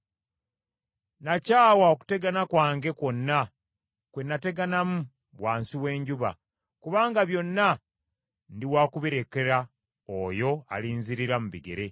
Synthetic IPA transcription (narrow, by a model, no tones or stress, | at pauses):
nacaːwaoku̥te̞ɡanakwaːŋɡe̞ko̞nːa | kwenːate̞ɡanamu | βwaːnsiwe̞ːɲɟuβa̰ | kuβaːŋɡaβjo̞nːa | ndiwaːkuβiɾeke̞ɾa | ojo̞a̰liːnziɾiɾamuβiɡe̞̰ɾe̞